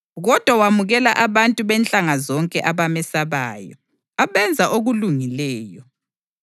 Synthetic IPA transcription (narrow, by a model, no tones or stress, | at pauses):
ɣɔd̥ʱwawamuɣɛlaʔaβantʼuβɛnt͡ɬʼaŋazɔŋkʼɛʔaβamɛsaβaːjɔ̰ | aβɛnd͡zʱaʔoɣuluŋilɛːjɔ